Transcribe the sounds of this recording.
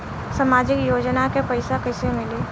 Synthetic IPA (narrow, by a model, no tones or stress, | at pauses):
samaːd͡ʒɪkjoːd͡ʒnakepəɪsakəɪsemɪli